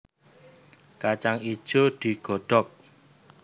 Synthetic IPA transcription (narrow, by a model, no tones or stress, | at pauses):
kat͡ʃaŋi̥ʒ̥od̪̥i̤ɡ̥ɔ̤ɖ̥ɔk̚